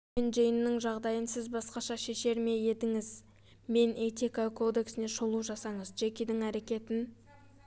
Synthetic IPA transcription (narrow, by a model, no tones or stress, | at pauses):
enʒejənːəŋʒɑʁd̪ɑjənsɪzbɑsqɑʃɑʃe̞ʃe̞ɾme̞je̞t̪ɪŋɪz | me̞net̪ikakʰo̞d̪e̞ksɪne̞ʃolˠuʒɑsɑɴəzʒekʲed̪ɪŋæɾe̞kʲe̞t̪ɪn